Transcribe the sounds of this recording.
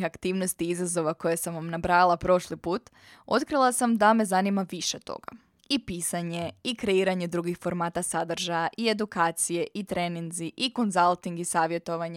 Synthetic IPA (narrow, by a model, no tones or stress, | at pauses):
xakt̪iːʋno̞st̪iizazo̞ʋako̞jesamʋamnabɾaːilˠapɾo̞ʃlipuːt̪ | o̞t̪kɾilˠasamd̪ame̞zanimaʋiʃet̪o̞̰ɡ̥a̰ | ipiːsaɲe̞ikɾe̞iːɾaɲe̞d̪ɾuɡixfo̞ɾmaːt̪asad̪r̩ʒajaʔie̞d̪ukaːt̪sije̞ʔit̪ɾeninziʔiko̞nzalˠt̪iŋɡisaːʋje̞t̪o̞ʋaɲ